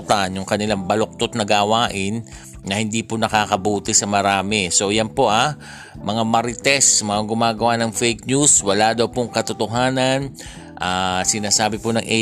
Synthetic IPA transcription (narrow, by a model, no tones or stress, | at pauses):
t̪anjʊŋkɐnɪlaŋbɐlok̚t̪ot̪̚nɐɡaːwaːʔɪnː | ɐhɪnd̪iːponɐkaːkɐbuːt̪ɪsɐmɐɾaːmɪso̞jɐnpo̞ʔa | mɐŋamɐɾɪt̪ɛsmɐŋaɡʊmaːɡɐwanɐŋfɛjk̚nuswɐlad̪ɐwpoŋkɐt̪ot̪oɦaːnɐn | ʔaːsɪnaːsaːbɪponɐŋʔɛ